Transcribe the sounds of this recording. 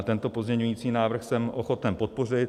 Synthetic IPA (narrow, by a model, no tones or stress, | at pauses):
t̪ɛnt̪o̞po̞zmɲɛɲujiːt͡siːnaːvr̩xsɛmʔoxo̞t̪ɛmpo̞t̪̚po̞r̝ɪt̪